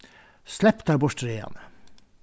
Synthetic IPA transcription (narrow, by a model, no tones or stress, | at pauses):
slɛpt̪æːɾbʊʂʈɾeːɑ̰nə